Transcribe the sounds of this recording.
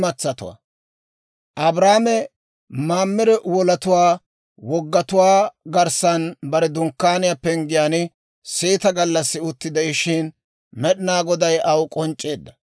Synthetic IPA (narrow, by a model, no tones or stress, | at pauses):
mɐt͡sːɐt̪ʊ̰wa̰ | ʔɐbɾaːmɛ | maːmːɪɾɛwɔlɐt̪ʊwaː | wɔɡːɐt̪ʊwaːɡɐɾsɐnbɐɾɛd̪ʊŋkːaːnɪjapːɛŋɡɪjaːnɪ | siːt̪ɐɡɐlːɐsːɪʊt̪ːɪd̪ɛɪʃɪn | mɛɗɪnaːɡɔd̪ɐjʔɐwkʼɔnt͡ʃʼːe̞ːd̪ːɐ